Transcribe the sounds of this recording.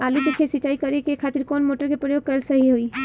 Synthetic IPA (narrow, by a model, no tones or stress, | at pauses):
aluʈikʰesit͡ʃaːikəɾekekʰaːt̪ɪɾkɔːnmoʈəɾkepɾəjoːɡ̚kəlsəɦiɦoi